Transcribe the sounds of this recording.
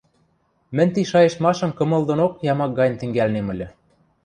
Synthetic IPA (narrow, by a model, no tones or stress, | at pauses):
mɘ̆nʲt̪iʃɑjĕʃt̪mɑʃɤ̆mkɤ̆mɤ̆ld̪ŏnokjɑmɑk̚ɡɑj̆nt̪ɘ̆ŋɡælnemɘ̆lʲɘ̆